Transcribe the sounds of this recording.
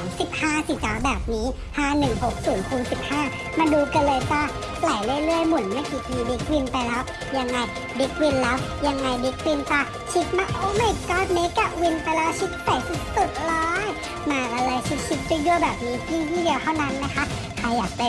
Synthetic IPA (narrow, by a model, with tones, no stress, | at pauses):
msi˨˩p̚haː˥˩si˨˩t͡ɕaː˨˦wbɛː˨˩p̚niː˦˥ | haː˥˩nɯ˨˩ŋho˨˩k̚suː˩˦npʰuː˨˧˦nsi˨˩p̚haː˥˩ | maː˧duː˧ka˧˩lɤː˧jt̪aː˧˥˩ | pla˨˩jlɯ˥˩jlɯ˥˩əjmu˩˦ənmaː˥˩jkiː˨˩t̪ʰiː˧di˦˥k̚wi˧npa˧jlɛː˦˥w | ja˧ŋːa˧j | di˦˥k̚wi˧nlɛː˦˥wja˧ŋːa˧jdi˦˥k̚wi˧nt̪aː˧˩ | t͡ɕʰi˦˥t̪̚ma˧ʔo˧˦ma˧˥˩kaː˧˥˩t̪̚meː˦˥t̪̚ka˧˩wi˧npa˧jlɛː˦˥wt͡ɕʰi˦˥t̪̚pɛ˨˩si˨˩t̪u˨˩t̪̚lɔː˦˥j | maː˧ʔa˧la˧jt͡ɕʰi˦˥t̪̚t͡ɕʰi˧˦˥t̪̚t͡ɕju˥˩əbɛː˨˩p̚niː˦˥t̪ʰiː˥˩jiː˥˩di˧wt̪ʰa˥˩na˦˥nːa˦˥kʰa˦˥ʔ | kʰa˧jaː˨˩k̚pa˧